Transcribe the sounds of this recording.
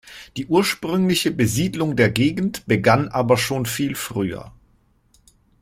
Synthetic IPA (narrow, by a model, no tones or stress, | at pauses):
d̥iːʔuːɐʃpʁ̥ʏŋlɪçəbəziːdlʊŋdeːɐɡeːɡn̩tb̥əɡanʔaːbɐʃoːnfiːlfʁ̥yːɐ̰